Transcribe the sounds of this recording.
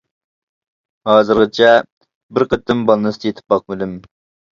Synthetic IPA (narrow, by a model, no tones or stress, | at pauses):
hɑːzɨɾʁɨt͡ʃʰɛ | bɪɾqət̪ːɪmbɑlˠnɨsd̪jet̪ʰɪ̥p̚ːɑq̚mylym